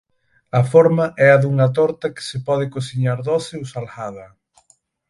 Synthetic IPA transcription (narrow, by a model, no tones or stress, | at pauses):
ɐfoɾmɐʔɛɐðuŋɐt̪̬ɔɾt̪ɐkɪ̥sɪpɔðɪkosiɲaɾðɔseusalɣaðɐ